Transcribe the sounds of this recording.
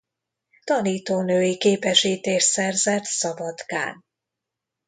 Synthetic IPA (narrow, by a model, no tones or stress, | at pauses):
t̪ɒniːt̪oːnøːjikeːpɛʃiːt̪eːʃsɛrzɛt̪sɒbɒd̪ɡa̰ːn